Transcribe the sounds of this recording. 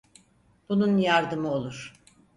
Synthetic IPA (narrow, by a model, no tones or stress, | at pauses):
b̥ununjaɾd̪ɯmɯo̞lˠuɾ̥